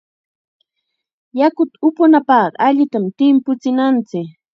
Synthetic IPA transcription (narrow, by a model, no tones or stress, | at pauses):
jakʊt̪ʊpʊnapɑɢɑ̰aʎɪt̪amt̪ɪmpʊt͡sɪnant͡sɪk